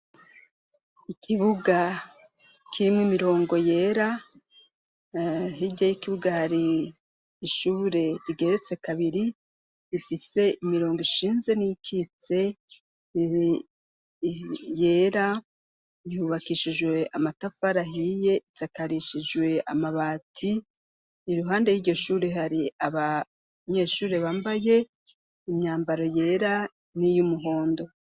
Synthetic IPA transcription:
ikʰiβuɡa | kiɾimŋimiɾo̞ːŋɡo̞je̞ːɾa | ɦiɟɟajikiβuɡahaɾiː | ʃuːɾe̞ɾiɡe̞ɾet͡se̞kaβiɾi | ifise̞imiɾo̞ːŋɡiʃiːnze̞nikʰit͡se̞ | je̞ːɾa | ihuβakiʃid͡ʒwe̞ʔamatafaɾaɦije̞isakaɾiʃid͡ʒwe̞a̰maβaːtʰi | iɾuɦaːnde̞jiːɾɟo̞ʃuːɾeɦaɾiaβa | ɲe̞ːʃuːɾe̞βaːmbaje̞ | imɲaːmbaɾo̞je̞ːɾa | nijumuɦo̞ːndo̞

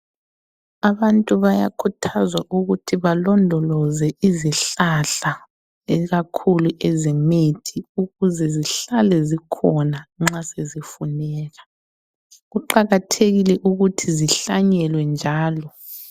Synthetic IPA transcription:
aβantʼuβaja̰kʰutʰazwaʔuɣutʰiβalɔndʱɔlɔzɛiziɬaɬa | ɛɣakʰuluʔɛzemitʰiuɣuzɛziɬalɛzikʰɔnaŋ͡ǁasezifunɛːɣa | ɣuǃaɣatʰeɣilɛʔuɣutʰiziɬaɲɛlwɛnd͡ʒʱaːlɔ

